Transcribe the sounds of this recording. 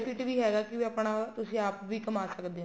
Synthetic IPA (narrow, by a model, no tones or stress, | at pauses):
pɪʈʋiːɦɛːɡaːkɪʋəpɳaːt̪ʊsĩːaːpʋiːkəmaːsəkd̪eːɦ